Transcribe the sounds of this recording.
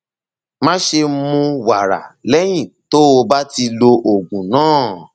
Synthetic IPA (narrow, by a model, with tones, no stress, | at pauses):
mã˦ʃe˧mũ˧wa˨ɾa̰˨lɛ˦j̃ĩ˦˨to˦o˧ba˦ti˧lo˧ʔo˨ɡũ˨nãː˦˨